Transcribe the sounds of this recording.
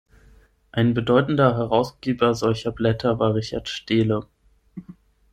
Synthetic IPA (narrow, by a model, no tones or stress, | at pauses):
ʔaɪnbədɔʏtn̩dɐɦɛʁaʊsɡ̥eːbɐzɔlçɐblɛtʰɐvaːʁɪçaɐtʃteːlə